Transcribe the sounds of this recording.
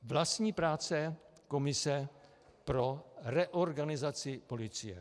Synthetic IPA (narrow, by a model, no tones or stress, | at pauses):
vlast̪ɲiːpɾaːt͡sɛ | komɪsɛ | pɾorɛʔoɾɡanɪzat͡sɪpo̞lɪt͡sɪjɛ̰